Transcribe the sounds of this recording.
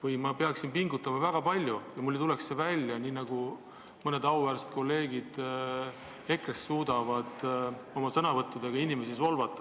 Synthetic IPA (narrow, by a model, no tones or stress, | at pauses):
vɯjmɑpeɑksinpiŋɡut̪ːˑɑmɑvæɡ̥ɑpɑlʲjujɑmulːit̪ule̞ksːevælʲjɑniːnɑɡ̥u | mɤne̞d̪ɑwvæːɾset̪̚ko̞lːe̞ːɡ̥id̪̥ | e̞krest̪suːd̪ɑvɑd̪̥o̞mɑsɤnɑvɤt̪ːˑud̪̥eɡ̥ɑinimesiso̞lvɑt̪ːˑɑ